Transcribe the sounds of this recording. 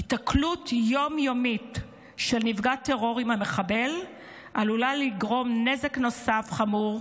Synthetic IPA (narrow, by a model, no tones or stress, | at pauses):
itaklutjo̞mjomit | ʃelnivɡateʁo̞ʁimameχabe̞l | ʔalulaliɡʁo̞mne̞zekno̞safχamuʁ